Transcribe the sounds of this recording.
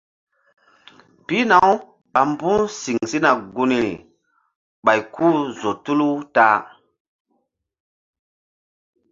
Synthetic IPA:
pi˦na˨w | ɓa˨mbũ˦si˨ŋsi˦na˨ɡu˦ni˨ | ɓa˨jkʰu˦zo˨tu˦lu˦taː˦

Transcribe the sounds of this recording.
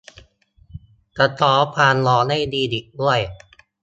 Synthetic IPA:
ka˧t̪ʰɔː˩˦pʰaː˧nlɔː˨˧˦na˥˩jdiː˧di˨˩k̚du˥˩əj

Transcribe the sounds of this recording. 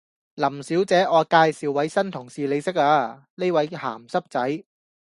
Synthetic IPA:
lɐ˨˩msiː˨˥wt͡sɛː˨˥ʔɔː˨˧kaː˧jsiː˨wːɐ˨˥jsɐ˥nt̪ʰʊ˨˩ŋsiː˨le˨˧˥sɪ˥k̚aː˧ | ne˥jwɐ˨˥jha̰ː˨˩msɐ˥p̚t͡sɐ˨˥j

